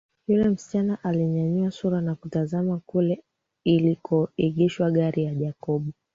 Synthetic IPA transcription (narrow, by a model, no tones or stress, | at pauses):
julɛm̩si̥t͡ʃanaʔaliɲaɲuasuɾanakutazamakulɛ | ilikʰɔiɠiʃwaɠaɾijaʄakɔɓu